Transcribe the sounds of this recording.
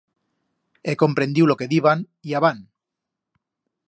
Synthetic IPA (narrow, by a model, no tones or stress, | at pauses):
eko̞mpɾe̞nd̪iwlo̞ke̞ðiβan | iaβ̞an